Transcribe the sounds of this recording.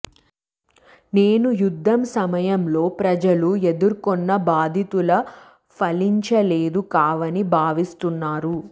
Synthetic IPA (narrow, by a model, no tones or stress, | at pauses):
neːnujud̪ʱːɐmsɐmɐjɐmlo̞ːpɾɐd͡ʒɐlued̪uɾkɔnːɐbaːd̪ʱit̪ulɐ | pʰɐliɲt͡ʃɐle̞ːd̪ukaːʋɐnibʱaːʋist̪unːaːɾu